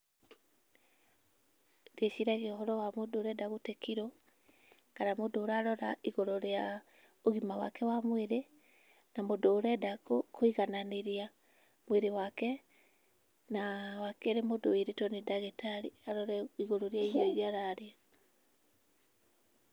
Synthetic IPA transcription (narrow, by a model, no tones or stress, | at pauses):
deɕiɾaɣeɔɦɔɾɔwamodoːɾɛdaɣotekiɾɔ | kanamodoɾaɾɔɾaiɣoɾoɾea | oɣimawa̰kɛwamweɾe | namodoːɾɛdakokoiɣananeɾia | mweɾewakɛ | nawakɛɾemodoeɾetɔnedaɣetaɾiaɾɔɾɛiɣoɾoɾeaioiɾiaɾaɾe